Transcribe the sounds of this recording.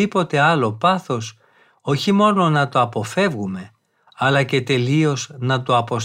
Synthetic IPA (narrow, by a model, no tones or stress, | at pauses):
ipo̞t̪e̞ɐlo̞pɐθo̞s | o̞çimo̞no̞nɐt̪o̞ɐpo̞fe̞vɣume̞ | ɐlɐce̞t̪e̞lio̞znɐt̪o̞ɐpo̞s